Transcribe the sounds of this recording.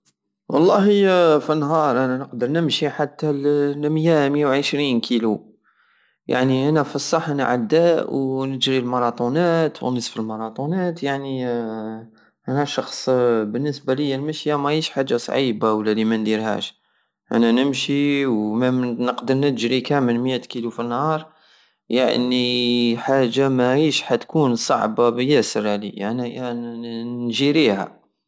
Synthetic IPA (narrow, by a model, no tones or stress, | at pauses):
wɑ̰lˤːɑhəfinːɦɑɾˤʔænænəqd̪əɾˤnəmʃiħat̪ːællməjæmjawʕəʃɾinkʰilu | ja̰ʕniʔænæfisˤːɑħnʕa̰d̪ːæwnəʒɾilmɑɾˤɑt̪ˤunæt̪w̰nəsfəlmɑɾˤɑt̪ˤunæt̪jaʕni | ʔænæʃɑxsˤbənːəsbaləjːælməʃjamæʕiʃħad͡ʒːasˤʕibawlːælimænd̪iɾhæ̰ʃ | ʔæ̰nænəmʃiwmænəqd̪əɾnət̪ʒɾikæməlmjæt̪kilufinːhɑɾˤ | ja̰ʕniħaʒːamæʕiʃħat̪kunsˤɑ̰ʕbabjæsəɾælḭa̰ni | nʒiɾihæ̰